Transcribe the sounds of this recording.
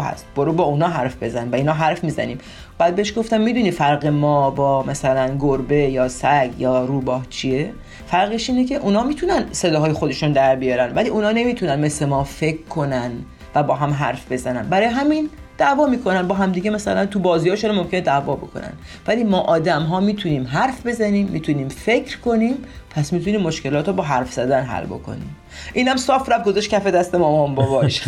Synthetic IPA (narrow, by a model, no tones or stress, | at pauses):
ɦæ̰st̪b̥oɾuːbɒːunɒːɦæɾfbe̞zænimvæiːnɒːɦæɾfmiːzæ̰niːm | b̥æːd̪beeʃɡo̞ft̪æmːiːd̪uniːfæɾɣemɒːbɒːmæsælænɡoɾbe̞jɒːsæɡjɒːɾuːbɒːht͡ʃʰie | fæɾɣeʃiːnecʰe̞ʔunɒːmiːt̪ʰunænse̞d̪ɒːɒːjexo̞d̪e̞ʃund̪æɾbijɒːɾænvæliːʔuːnɒːne̞miːt̪ʰunænme̞slemɒːfe̞kʰkʰːo̞nænd̪ | væbɒːɦæmɦæ̰ɾfbe̞zænænbæɾɒːjeɦæmin | d̪̥ævɒːmiːkʰo̞nænbɒːɦæmd̪iːɟemæsælænt̪ʰubɒːziːjɒːʃuɾmomcʰened̪ævɒ̰ːbo̞̰kʰo̰næ̰n | væliːmɒːʔɒːd̪æmɦɒːmiːt̪ʰuniːmɦæɾfbe̞zæniːmːiːt̪ʰuniːmfe̞cʰɾko̞niːmpʰæsmiːt̪ʰuniːmːo̞ʃke̞lɒːt̪obɒːɦæɾfz̥æd̪ænɦæ̰lbo̰kʰo̰nḭːm | ʔiːnæmsɒːfɾæft̪̚ɡo̞zæʃtcʰæfe̞d̪æst̪emɒːmɒmbɒbɒːʃ